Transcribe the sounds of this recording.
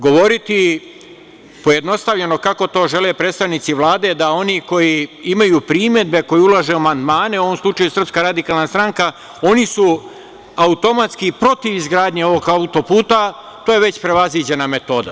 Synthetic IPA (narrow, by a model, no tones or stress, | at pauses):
ɡo̞ʋo̞ɾit̪i | poje̞d̪no̞st̪aʋʎe̞no̞kako̞t̪o̞ːʒe̞lepɾeːt̪st̪aʋnit̪siʋlˠaːd̪e̞d̪ao̞niko̞jiimajuːpɾiːme̞d̪̚be̞ko̞jiulˠaʒe̞amand̪maːne̞uoʋo̞mslˠut͡ʃajusr̩pskaɾad̪ikaːlˠnast̪ɾaŋka | o̞nisu | aut̪o̞mat̪skipɾo̞t̪iʋizɡɾaːd̪ɲeo̞ʋo̞ɡaut̪o̞puːt̪a | t̪oːje̞ʋe̞t͡ɕpɾe̞ʋazʋiːd͡ʑe̞name̞t̪o̞ːd̪a̰